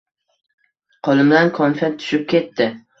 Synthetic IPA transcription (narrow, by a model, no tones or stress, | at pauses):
qʰolˠɪmd̪ankʰɒnfɛt̪ʰʊ̥ʃɪp̚kʲe̞t̪ʰːɪ